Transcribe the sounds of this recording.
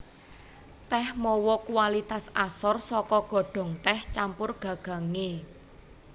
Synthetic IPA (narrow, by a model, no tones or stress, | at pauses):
t̪ɛhmɔwɔkuwalit̪asasɔrsɔkɔɡ̥ɔ̤ɖ̥ɔ̤ŋt̪ɛht͡ʃampʊrɡ̥ä̤ɡ̥ä̤ŋe